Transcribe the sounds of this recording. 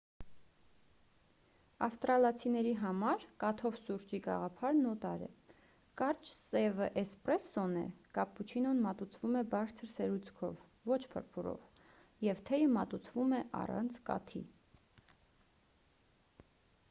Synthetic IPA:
ɑfst̪ɾɑlɑt͡sʰinɛɾiɦɑmɑɾkɑt̪ʰɔvsuɾt͡ʃiɡɑ̰ʁɑpʰɑɾnɔt̪ɑ̰ɾɛ̰ | kɑɾt͡ʃsɛvəʔɛsprɛsːɔnɛ̰kɑpːut͡ʃʰinɔnmɑt̪ut͡sʰvumɛbɑɾt͡sʰəɾsɛɾut͡sʰkʰɔ̰vːɔt͡ʃʰpʰə̰ɾpʰuɾɔ̰v | jɛvt̪ʰɛjəmɑt̪ut͡sʰvumɛʔɑ̰rɑ̰nt͡sʰkɑ̰t̪ʰḭ

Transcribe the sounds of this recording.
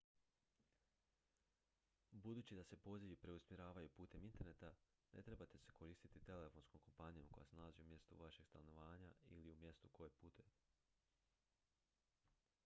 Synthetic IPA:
bud̪uːt͡ɕid̪ase̞po̞ziʋipɾe̞usmjeɾaːʋajupuːt̪e̞mint̪e̞ɾnet̪a | ne̞̰t̪ɾe̞bat̪e̞se̞ko̞ɾiːst̪it̪it̪e̞le̞fo̞nskomko̞mpanijomko̞jasnalaziumje̞st̪ṵʋaʃe̞ɡ̥st̪anoʋaːɲaḭliumje̞st̪ukojepuːt̪ʰet̪

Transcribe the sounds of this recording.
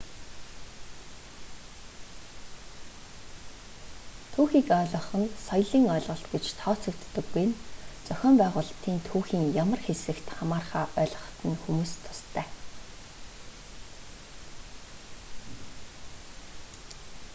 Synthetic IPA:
t̪ʰuːxiːkœːɮɞ̆χɞ̆nsɔjɮiːŋœːɮʁɞ̆ɬt̪ɡet͡ɕt̪ʰɔːt͡sɵ̆kt̪ːɵ̆ɡːuj̆nt͡sœxʲɔːmpæːʁʊːɮt̪iːnt̪ʰuːxiːŋjamə̆rxesɘ̆kt̪χamaːrχaːʔœːɮʁɞ̆χt̪ə̆nxumuːst̪ʰʊ̥st̪ʰæː

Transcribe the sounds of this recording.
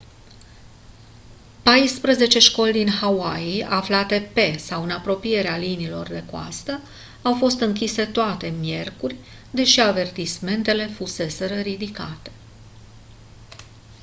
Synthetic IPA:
pajspɾəze̞t͡ʃe̞ʃko̞ld̪inhawaiaflat̪e̞pe̞sawɨnapɾo̞pije̞ɾealinilo̞rd̪e̞koa̰st̪ə | awfo̞st̪ɨŋkʲise̞t̪oat̪e̞mje̞rkurʲ | d̪e̞ʃiave̞rt̪isme̞nt̪e̞le̞fuse̞se̞ɾəɾid̪ika̰t̪e̞̥

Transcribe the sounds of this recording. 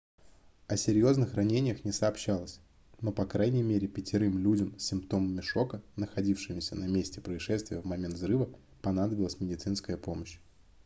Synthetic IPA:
ɐsʲɪɾʲjo̞znɨxrɐnʲenʲɪjəxnʲɪsəːpɕːalˠəsʲ | no̞pɐkɾajnʲɪjmʲeɾʲɪpʲɪtʲɪɾɨmlʲudʲəmsʲːɪmpt̪o̞məmʲɪʂo̞kənəxɐdʲifʂɨmɪsʲənɐmʲesʲtʲɪpɾəɪʂɛst̪vʲɪjəvmɐmʲent̪zɾɨvə | pɐn̪ad̪əbʲɪlˠəsʲmʲɪdʲɪt̪sɨn̪skəjəpo̞məɕ

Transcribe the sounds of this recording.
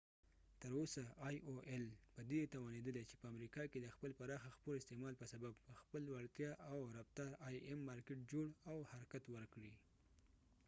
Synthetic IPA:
t̪əɾosaʔɑjʔoʔelpəd̪et̪awɑned̪əlet͡ʃe̥pəamɾikɑked̪əxpəlpaɾɑxaxpolɪst̪emɑlpəsababpəxpəlwaɽt̪jɑʔawɾaft̪ɑɾɑjemːɑɾkeʈ̚d͡ʒoɽawhaɾakat̪wəɾkɽi

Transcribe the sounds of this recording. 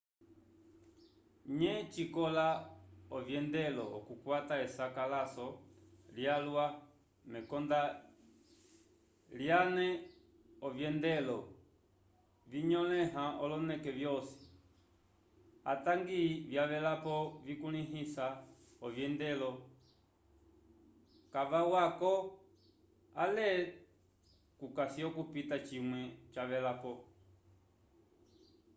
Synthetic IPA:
ɲɛt͡ʃikɔlaɔvjɛndɛlɔɔ̰kukwataɛsakalasɔljalwa | mɛkɔnda | ljanɛ | ɔvjɛndɛlɔ | viɲɔlɛɦaɔlɔnɛkɛvjɔsi̥ | a̰taŋɡivjaʋɛlapɔvikuniɦisa | ɔvjɛndɛlɔ | kavawakɔ | alɛ | kukasiɔkupitat͡ʃimwɛt͡ʃaʋɛlapɔ

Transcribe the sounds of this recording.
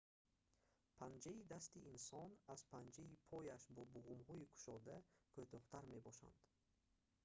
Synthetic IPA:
pʰand͡ʒɛid̪ast̪iinsɔnaz̥pʰand͡ʒɛipʰɔjaʃbuɔbuʁumhɔikʰu̥ʃɔd̪ækʰøt̪ʰɔht̪ʰaɾmebɔʃa̰nd̪̥

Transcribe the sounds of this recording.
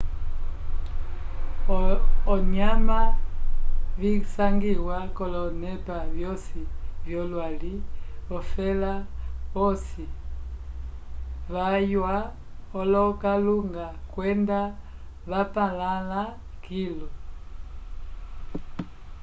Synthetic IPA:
ɔɲama | βisaŋɡiwakɔlɔnɛpaβjɔsivjɔlwaliɔfɛlaɔsi | βajwa | ɔlɔkaluŋɡakwɛnda | βapalala | kilɔ

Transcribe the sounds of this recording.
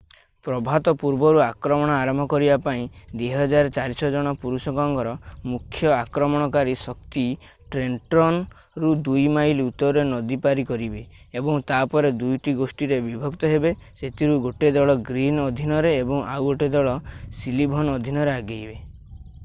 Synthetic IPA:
pɾɔbʱat̪ɔpuɾbɔɾuakɾɔmɔɽ̃ɔaɾɔmbʱɔkɔɾibapaĩd̪eɦɔd͡ʒaɾt͡ʃaɾisɔd͡ʒɔɽ̃ɔpuɾusɔkɔŋɡɔɾɔmukʰːjɔakɾɔmɔɽ̃ɔkaɾisɔk̚t̪i | ʈɾenʈɾɔn | ɾud̪ujmajlut̪ɔɾɔɾenɔd̪ipaɾikɔɾibeː | bɔŋt̪apɔɾed̪ujʈiɡosʈiɾebibʱɔkt̪ɔɦebeset̪ʰiɾuɡoʈed̪ɔɭɔɡɾinɔd̪ʱinɔɾeːbɔŋa̰wɡoʈed̪ɔɭɔsilibʱɔnɔd̪ʱinɔɾeaɡejbe

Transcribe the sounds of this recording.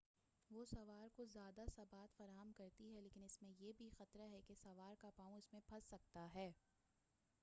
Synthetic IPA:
ʋoːsɐʋaːɾkozjaːd̪asɐbaːt̪fɐɾaːɦəmkɐɾt̪iɦɛleːkɪnɪsmẽjeːbʱixɐt̪ɾaɦɛkesɐʋaːɾkapaːũɪsmẽbʰʱɐsːɐk̚t̪aɦɛː

